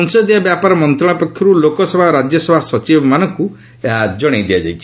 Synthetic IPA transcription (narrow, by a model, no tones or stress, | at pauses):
nsɔd̪iabjapaɾɔmɔnt̪ɾɔɽ̃ɔpɔkʰjɔɾulokɔsɔbʱaɾad͡ʒjɔsɔbʱasɔt͡ʃibɔmanɔŋku | d͡ʒɔɽ̃ejd̪iad͡ʒa̰jt͡ʃʰi̥